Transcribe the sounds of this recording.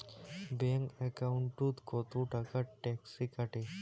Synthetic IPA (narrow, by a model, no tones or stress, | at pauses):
bɛŋkɛkawɳʈut̪kot̪uʈakaʈɛksikaʈe